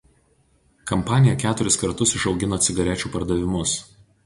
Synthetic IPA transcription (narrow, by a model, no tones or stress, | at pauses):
kɐmpɑːnʲɪjɛkʲæːt̪ʊɾʲɪskɐɾt̪ʊsɪʃɒʊɡʲɪnoːt̪sʲɪɡɐɾʲɛˑt͡ʃʲuːpɐɾd̪ɐʋʲɪmʊs